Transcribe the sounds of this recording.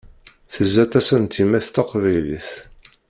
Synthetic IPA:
θəzːæt̪æsənt̪ʰimæθt̪ɑqvæjlḭθ

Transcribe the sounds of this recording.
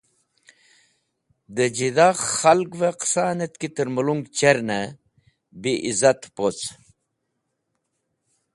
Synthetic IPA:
d̪əd͡ʑid̪aːxɐlɡveqsaːnet̪kit̪əɾməluŋɡt͡ɕeɾnɐ | biʔizat̪pot͡s

